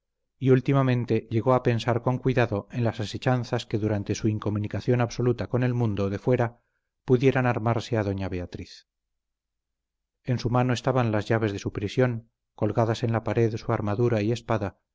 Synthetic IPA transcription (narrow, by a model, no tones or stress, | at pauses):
iult̪imamẽ̞nt̪e̞ʎe̞ɣo̞ape̞nsaɾko̞ŋkwiðaðo̞e̞nlasase̞t͡ʃanθaske̞ðuɾant̪e̞suiŋko̞munikaθjo̞naβso̞lut̪ako̞ne̞lmũnd̪oðe̞fwe̞ɾa | puðje̞ɾanaɾmaɾse̞aðo̞ɲaβe̞at̪ɾiθ | e̞nsumano̞e̞st̪aβanlazʝaβ̞e̞zðe̞supɾisjo̞ŋ | ko̞lɣaðasenlapaɾe̞ðsuaɾmaðuɾaie̞spaða